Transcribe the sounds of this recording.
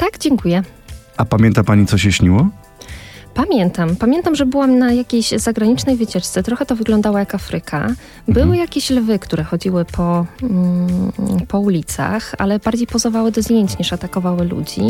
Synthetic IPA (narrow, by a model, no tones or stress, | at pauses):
t̪aɡ̥d͡ʑɛŋkujɛʔapamʲjɛnt̪apaɲitsɔɕɛɕɲiwɔ | pamʲjɛnt̪ampamʲjɛnt̪amʐɛbɘwamnajakʲejɕzaɡɾaɲit͡ʂnɛjvɘt͡ɕɛt͡ʂt̪sɛt̪ɾɔxɛt̪ɔvɘɡlɔnd̪awajakafɾɘkʰa̰ | bɘwɘjakʲeɕlvɘkt̪uɾɛxɔd͡ʑiwɘpʰɔ | pʰɔulʲit̪sa̰xa̰lɛbaɾd͡ʑejpɔzɔvawɘd̪ɔzd̪ʲjeɲt͡ɕɲiʂat̪akɔvawɘlṵd͡ʑḭ